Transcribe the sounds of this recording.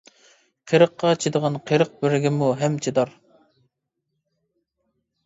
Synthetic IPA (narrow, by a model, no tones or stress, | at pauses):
qʰeɾəqːɑt͡ʃʰid̪əʁɑnqʰeɾəq̚bɪɾɪɡʲɪmuɦɛmt͡ʃʰed̪ɑɾ